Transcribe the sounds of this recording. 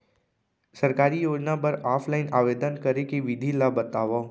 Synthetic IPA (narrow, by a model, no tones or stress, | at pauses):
sɐɾkaːɾijoːd͡ʒnapɐɾaːpʰlaːɪnaːʋeːd̪ənkɐɾekeʋɪd̪ʱilabɐt̪aːʋa